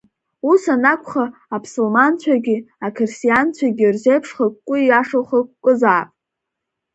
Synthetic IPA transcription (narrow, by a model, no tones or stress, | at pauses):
usanakʷʼχaːpsulmant͡ɕʷʰaɡʲiakʰɨrsijant͡ɕʷʰaɡʲirʒejpʰʂχəkʷkʷʼʊiaʂoχəkʷkʷʼʊzaːpʼ